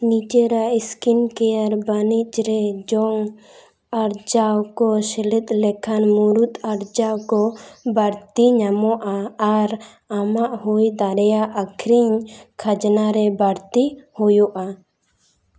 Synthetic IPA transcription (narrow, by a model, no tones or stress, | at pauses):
nid͡ʒɛɾaiskinkɛjaɾbanit͡ʃɾɛd͡ʒɔŋ | aɾd͡ʒawkɔsɛlit̪̚ʼˀlɛkʰanmuɾut̪aɾd͡ʒawkɔbaɾt̪iɲamɔʔaːɾ | amaʔhujd̪aɾɛjaʔakʰɾiɲkʰad͡ʒnaɾɛbaɾt̪ihujɔʔa